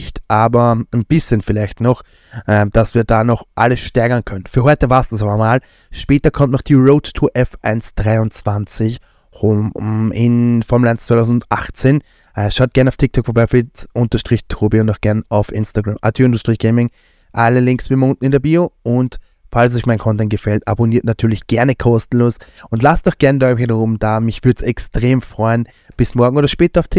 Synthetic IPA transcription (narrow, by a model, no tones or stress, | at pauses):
çtʔaːbɐnb̥ɪsçənfɪlaɪçtnɔχ | ʔɛmd̥asv̥iːɐd̥aːnɔχʔa̰ləsʃtɛɐɡɐnkʰœnənfyːɐɦɔʏtəvaːɐstd̥uːs̬abɐmaːl | ʃpɛːtɐkʰɔmtnɔχd̥iːʁoʊtːʰuʔɛfʔa̰ɪnsd̥ʁaɪʊnt͡sv̥ant͡sɪç | ɪnfɔɐmɛlʔaɪnst͡svaɪtʰaʊzndʊtʔa̰χt͡seːn | ʔɛʃaʊt̚ɡ̥ɛɐnaʊtʰɪk̚tʰɔkfɐbaɪfɪʔʊntɐʃtʁ̥ɪçtʰoːbiʊnnɔχɡ̥ɛɐnaʊfɪnstaɡʁamʔa̰tʰəʊntɐʃtʁ̥ɪçɡ̥ɛɪmɪŋ | ʔaləlɪŋksb̥ɪmʊntn̩ɪndɛɐbiːoʔʊnt | fals̬ɔʏçmaɪnkʰɔ̃ntɛnt̚ɡ̥əfɛlta̰boniːɐtnatʰyːɐlɪçɡ̥ɛɐnəkʰɔstn̩loːsʔʊndlastdɔχɡ̥ɛɐnədahidəʁʊmd̥aːmɪçv̥ʏɐdəsɛkstʁ̥eːmfʁ̥ɔʏən | b̥ɪsmɔɐɡŋ̩oːdɐʃpɛːtɐaʊftʰɪ